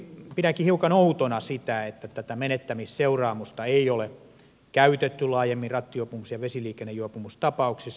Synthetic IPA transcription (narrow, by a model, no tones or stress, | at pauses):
piɾækihiukɑnout̪onɑsit̪æet̪ːæt̪æt̪æmenet̪ːæmisseurɑːmust̪ɑeiole | kæyt̪et̪ːylɑːjemːirɑt̪ːijoˑpumusjɑʋesiliːkenːejuɑpumust̪ɑpɑuksis